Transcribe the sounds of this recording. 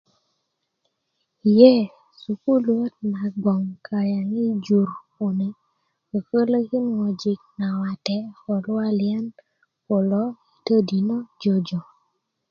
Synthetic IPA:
jɛ˦ | su˨ku˦lwo˦t̚na˨ɡ͡bɔ˨ŋkʰa˨ɾja˨ŋi˦d͡ʒu˨ɾ | u˨ne˨ | o˨kə˦lo˦ɡɪ˦nŋɔ˨d͡ʒi˨k̚na˨wa˨tɛ˨ɔ˨lʊ˦a˦ljɛ˦n | ko˨lɔ˦i˨tə˦di˨nɔ˦d͡ʒo˨d͡ʒɔ˨

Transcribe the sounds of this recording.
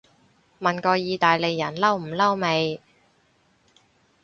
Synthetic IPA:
mɐ˨˩nkɔː˧jiː˨˧t̪aː˨jle˨˧jːɐ˨˩nlɐ˥wm̩˨˩lɐ˥wme˨˧j

